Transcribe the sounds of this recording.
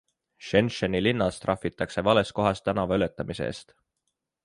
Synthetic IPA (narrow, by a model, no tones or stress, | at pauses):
ʃe̞nʃɑnilinːɑst̪rɑfːit̪ːˑɑkse̞vɑle̞sko̞ɦɑst̪ːˑænɑvɑylet̪ːˑɑmise̞̰ːst̪